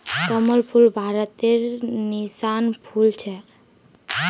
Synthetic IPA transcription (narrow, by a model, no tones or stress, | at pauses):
t̪əmɔlpʰulbʱaɾɔt̪eɾnisanpʰult͡ɕʰɛ